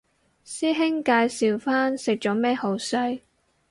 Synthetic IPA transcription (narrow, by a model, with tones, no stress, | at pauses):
siː˥ɦɪ˥ŋkaː˧jsiː˨wfaː˥nsɪ˨k̚t͡ʃɔː˨˥mɛː˥ho˨˥wsɵ˥ɥ